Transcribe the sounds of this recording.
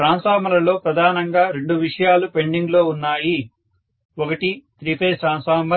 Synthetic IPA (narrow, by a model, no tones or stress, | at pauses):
ɾaːnsaːmɐlɐlo̞ːpɾɐd̪ʱaːnɐŋɡaːɾe̞ɳɖuʋiʂɐjaːlupe̞ɳɖiŋɡlo̞ːunːaːji | ɔkɐʈit̪ɾipeːsaːnsaːmɐ